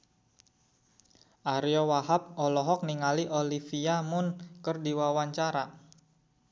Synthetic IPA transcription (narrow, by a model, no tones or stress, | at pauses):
ʔaɾiɔwaɦap̚ɔlɔɦɔk̚niŋaliʔolifiamʊnkərdiwawaɲt͡ʃaɾa